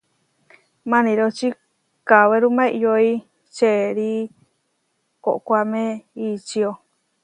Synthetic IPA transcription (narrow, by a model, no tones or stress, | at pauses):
mãnĩɾot͡ʃi | kaβeɾumãijoi | t͡ʃeɾi | ko̰ʔkʷamẽit͡ʃio